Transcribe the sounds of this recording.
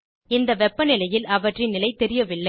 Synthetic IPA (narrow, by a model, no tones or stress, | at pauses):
ɪnd̪ɐʋɛpːɐnɪlɐjɪlɐʋɐʈrɪnːɪlɐɪt̪ɛɾɪjɐʋɪlːɐ